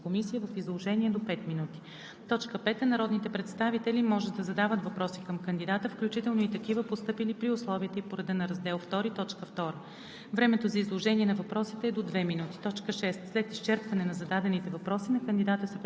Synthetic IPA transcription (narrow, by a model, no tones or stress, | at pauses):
komisijəvəfizlˠoʒɛniɛd̪opɛt̪minut̪i̥ | t̪ɔt͡ʃkəpɛt̪ənɐɾɔd̪nit̪ɛpɾɛt̪st̪avit̪ɛlimɔʒɛd̪̚d̪ɐzɐd̪avət̪vɐpɾɔsikəmkənd̪id̪at̪əfklʲut͡ʃit̪ɛlˠnoit̪ɐkivəpost̪ɤpilipɾiʊslˠɔviət̪əipoɾɐd̪ɛnɐɾɐzd̪ɛlˠft̪ɔɾit̪ɔt͡ʃkəft̪ɔɾə | vɾɛmɛt̪ozɐizlˠoʒɛniɛnɐvɐpɾɔsit̪ɛːd̪od̪vɛminut̪i̥t̪ɔt͡ʃkəʃɛst̪slɛt̪ist͡ʃɛɾpvɐnɛnɐzɐd̪ad̪ɛnit̪ɛvɐpɾɔsinɐkənd̪id̪at̪əsɛp